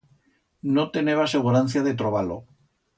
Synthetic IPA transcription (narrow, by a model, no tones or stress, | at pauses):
not̪eneβ̞aseɣuɾan̟θjaðet̪ɾoβalo̰